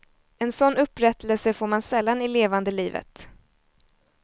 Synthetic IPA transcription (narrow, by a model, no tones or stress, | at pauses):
ɛnsɔnːɵpːɾɛt̪ʰːəlsəfoːɾmansɛlːanɪleːvand̪əliːvə̰t̪